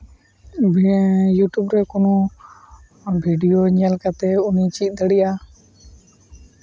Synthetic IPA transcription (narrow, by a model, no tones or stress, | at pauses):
bjuʈjubɾɛkɔnɔ | bʱiɖijoɲalkat̪ɛunit͡ʃit̪̚ˀd̪əɽijʔa